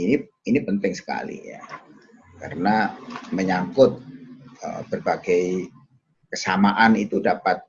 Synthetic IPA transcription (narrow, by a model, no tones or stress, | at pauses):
ini | inipənt̪ɪŋsə̥ka̰lḭja̰ | kaɾənaməɲaŋkʊt̪̚ə̰b̥ərbaɡ̥aj | kəsamaʔanit̪udapat̪̚